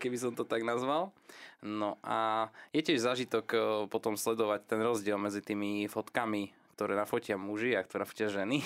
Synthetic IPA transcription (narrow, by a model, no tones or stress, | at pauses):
kɛbis̬ɔmt̪ɔt̪aɡnazʋalˠnɔʔajɛcɪɛʒzaːʒit̪ɔkpɔt̪ɔmslɛd̪ɔʋact̪ɛnɾɔzɟɪɛlmɛd͡zit̪iːmifɔt̪kami | kt̪ɔɾɛːnafɔcɪamuʒiakt̪ɔɾɛafɔ̥cɪaʒɛni